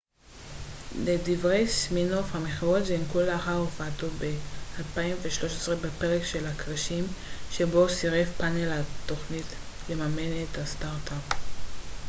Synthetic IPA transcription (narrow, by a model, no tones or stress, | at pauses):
ledivʁejsminofhameχiʁotʒemkulaːχaʁufatobealpaimveʃlo̞ʃesʁebepeʁekʃe̞lakʁaʃimʃe̞bo̞siʁefpanelat̪o̞χnit | le̞mame̞nethast̪aʁtap